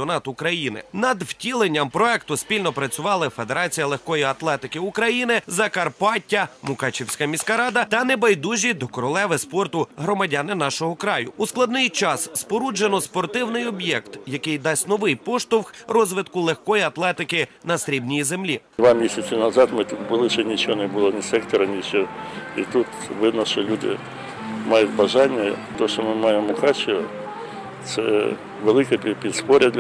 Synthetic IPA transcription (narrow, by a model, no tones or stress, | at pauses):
ɔnɑt̪ʊkɾɐjinɪ̰nɐd̪w̥tʲilˠenʲːɐmpɾɔɛkt̪ʊspʲilʲnɔpɾɐt͡sʲʊʋɑlˠɐfe̞d̪e̞ɾɑt͡sʲijɐlˠexkɔjiɐt̪lˠɛt̪ɪkɪukɾɐjinɪzɐkɐrpɑtʲːɐmʊkɑt͡ʃʲiwsʲkɐmʲisʲkɐɾɑd̪ɐt̪ɐnebɐjd̪uʒʲid̪ɔkɔɾɔlˠɛʋɪspɔrt̪ʊɦɾɔmɐdʲɑnɪnɑʃɔɦɔkɾɑjʊ̰usklˠɐd̪nɪjt͡ʃɑsspɔɾud͡ʒenɔspɔrt̪ɪwnɪjɔbjɛkt̪jɐkɪjd̪ɑsʲtʲnɔʋɪjpɔʃt̪ʊwxrɔzʋɪt̪kʊlˠexkɔjiɐt̪lˠɛt̪ɪkɪnɐsɾʲibnʲijizemlʲid̪ʋɑmʲisʲɐt͡sʲɪnɐzɑt̪mɪt̪ut̪bʊlˠɪʃɛnʲit͡ʃɔɔnɛbʊlˠɔnʲisɛkt̪ɔɾɐnʲit͡ʃɔit̪ut̪ | ʋɪd̪nɔʃt͡ʃɔlʲud̪ɪ̰ | mɑjʊt̚ʲbɐʒɑnʲːɐt̪ɔʃt͡ʃɔmɪmɑjemʊxɑt͡ʃɔ | t̪sɛ | ʋelˠɪkɛpʲipʲid̪spɔɾʲɐd̪lʲ